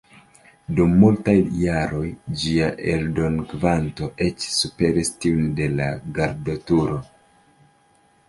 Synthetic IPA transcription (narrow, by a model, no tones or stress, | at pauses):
dumːultajːaɾo̞jd͡ʒiaʔe̞ldo̞nkvanto̞ʔe̞t͡ʃsupe̞ɾistiunde̞laɡaɾdotuɾo̞